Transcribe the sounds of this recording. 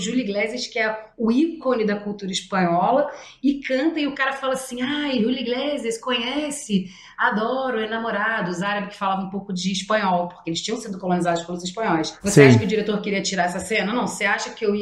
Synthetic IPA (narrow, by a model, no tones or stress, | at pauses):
ʒuliɡlɛzɪʃkɪɛʊikonɪd̪ɐkuwt̪uɾɐiʃpɐ̃ɲɔlɐ | ɪkɐ̃nt̪ɐ̃iʊkaɾɐfalɐsĩajʒuliɡlezɪʃkõɲɛsɪ | ad̪ɔɾʊenamoɾad̪ʊzaɾɐbɪkɪ̥falavɐ̃ũpowkʊd͡ʒɪːʃpɐ̃ɲɔwpo̥χkeelɪʃt͡ʃĩɲɐ̃w̃sĩd̪ʊkolõnizad̪ʊʃpẽlʊziʃpɐ̃ɲɔɪsvoseaʃɐkɪʊd͡ʒiɾet̪oɾkɪɾiɐt͡ʃiɾaɾɛsɐsẽnɐnɐ̃w̃oseaʃɐkɪewi